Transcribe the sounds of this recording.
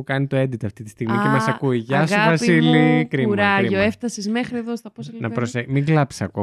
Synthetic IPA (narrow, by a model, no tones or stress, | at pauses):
kɐnit̪oed̪it̪ɐft̪it̪ist̪iɣmicemesɐkuiʝɐsɣovɐsilikɾimuɾɐiʝoeft̪ɐsizmexɾieðost̪ɐposnɐpɾosemiŋɡlɐpi̥sɐko